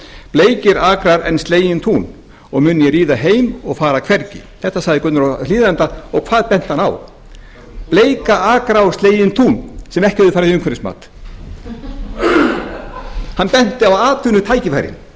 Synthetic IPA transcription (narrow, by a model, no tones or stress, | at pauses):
pleːjcɪɾaːkɾaɾɛnst̪leːjɪnt̪ʰuːn | ɔɣmʏnɪjɛɾiːðaɦeːjmɔɣfaːɾakʰv̥ɛɾcɪθɛht̪ːasaɣðɪkʏt̪ʏɾaliːðant̪aɔɣkʰvaːðpɛn̥t̪hana̰w | pleːjkaaːkɾaːwst̪leːjɪnt̪ʰuːnsɛmɛhcɪhɛvðʏfaːɾaðɪʏmkʰɛɾɪsma̰ːt̪ | hanpɛn̥t̪ɪawaːt̪ʏnʏt̪ʰaːjcɪfajɾɪ̰n